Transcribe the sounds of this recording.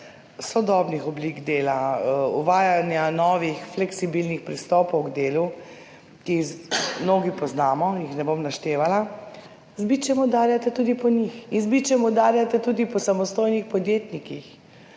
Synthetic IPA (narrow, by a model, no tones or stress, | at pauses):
sɔd̪ɔːbnixɔbliɡd̪eːlaṵʋaːjanjanɔːʋixflɛksibilnixpɾist̪ɔːpɔwɡd̪eːlu | kimnoːɡipɔznaːmɔjixnɛbomnaʃt̪eːʋala | zbit͡ʃɛmɔd̪aːɾjat̪ɛt̪uːd̪ipɔnixinzbit͡ʃɛmɔd̪aːɾjat̪ɛt̪uːd̪ipɔsamɔst̪oːjnixpɔd̪jeːt̪nikix